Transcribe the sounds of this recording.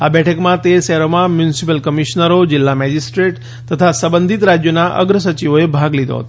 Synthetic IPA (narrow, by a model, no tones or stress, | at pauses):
abɛʈʰəkmãt̪eʃɛɦɾomãmjunsipəlkəmiʃnəɾod͡ʒɪlːamɛd͡ʒisʈɾeʈ | t̪ət̪ʰasəbənd̪ʱit̪ɾad͡ʒjonaʔə̰ɡɾəs̬ət͡ʃiʋoebʱaɡlid̪o̰ɦə̰t̪o